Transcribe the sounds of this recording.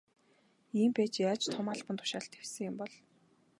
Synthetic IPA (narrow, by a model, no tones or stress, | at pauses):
iːmpeːt͡ɕjaːt͡ɕt̪ʰʊmaːɮpə̆nt̪ʰʊ̥ʃaːɬt̪ewsɘ̆ŋjʊmpɔɮ